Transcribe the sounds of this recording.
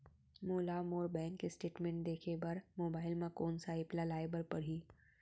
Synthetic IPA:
moːlamoːɾbɛ̃ːŋkːesʈeːʈmẽɳʈ̚d̪eːkʰebɐɾmoːbaːɪlmẽkɔːnsaɪplalaːjbəɾpɐɽ̤iː

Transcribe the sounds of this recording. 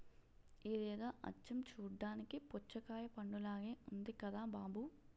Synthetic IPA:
iːd̪ɛːd̪ɐʔɐ̰t͡ʃːɐmt͡ʃuːɖːaːnikipɔt͡ʃːɐkaːjɐpɐɳɖulaːɡeːund̪ikɐd̪aːbaːbu

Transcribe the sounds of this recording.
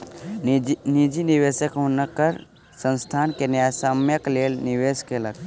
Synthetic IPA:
nid͡ʒiniʋesəkɦonəkəɾ | sə̃nst̪ʰaːnkenjasəmjəklelniʋeskelək

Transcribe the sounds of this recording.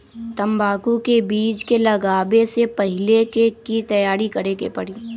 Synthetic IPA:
t̪ɐmbaːkukebiːd͡ʒkelɐɡaːbesepɐɦɪlekekit̪ɐjaːɾikɐɽeːkepɐɽiː

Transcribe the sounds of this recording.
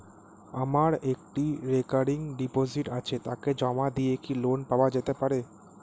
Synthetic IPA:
amaɾek̚ʈiɾekaɾiŋɖipoziʈat͡ɕʰet̪aked͡ʑɔmad̪ijekilonpaoad͡ʑet̪epaɾe

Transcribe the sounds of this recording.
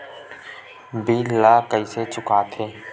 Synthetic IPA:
biːlaːkəiːseːt͡ʃʊkaːt̪ʰeː

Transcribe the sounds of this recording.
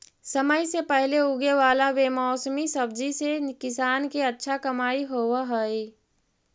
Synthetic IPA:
səməjsepəɦleʊɡeʋaːlaʋemɔːsmisəbd͡ʒisekɪsaːnkeətːʃʰakəmaːiɦoːwaɦəi

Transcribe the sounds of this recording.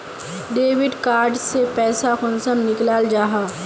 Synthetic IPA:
ɖeːʋɪɖkaːɾɖsepɛːsakʊnsəmnɪklaːld͡ʒaːɦaː

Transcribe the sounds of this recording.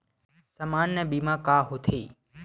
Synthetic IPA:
səmaːnːebiːmãːkaːɦut̪ʰeː

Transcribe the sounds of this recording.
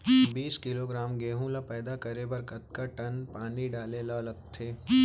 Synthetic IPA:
biːskɪloɡɾaːmɡeːɦũlapɛːd̪akɐɾebɐɾkɐt̪̚kaʈɐnpaːniɖaːlelalɐɡ̚t̪ʰeː

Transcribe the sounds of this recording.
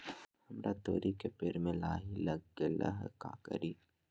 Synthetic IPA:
hɐmɾat̪oːɾikepeɾmẽlaːɦilɐɡelə̰ɦka̰ːkə̰ɾiː

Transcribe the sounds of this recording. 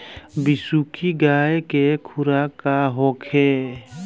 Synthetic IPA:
bɪsukʰiɡaːjkekʰʊɾakaɦɔkʰe

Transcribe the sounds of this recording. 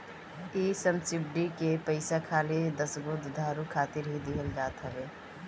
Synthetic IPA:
esəmsɪb̚ɖikepəɪsakʰaːled̪əsɡod̪ʱd̪ʱaːɾukʰaːt̪ɪɾɦid̪iɦəld͡ʒaːt̪ɦəbeː

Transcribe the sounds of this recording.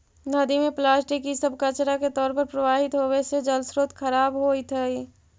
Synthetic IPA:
nəd̪imẽplaːsʈɪkisəb̚kət͡ʃɾaket̪ɔːɾpəɾpɾəʋaːɦɪt̪ɦowesed͡ʒəlsɾoːt̪kʰəɾaːbɦoːit̪ʰəi

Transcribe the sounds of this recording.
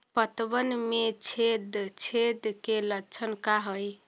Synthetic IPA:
pət̪bənmet͡ʃʰed̪t͡ʃʰed̪kelət͡ʃʰənkaɦəj

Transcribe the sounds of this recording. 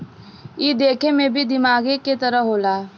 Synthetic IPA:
jiːd̪eːkʰemẽbʱid̪ɪmaːɡeket̪ɐɾəɦoːlaː

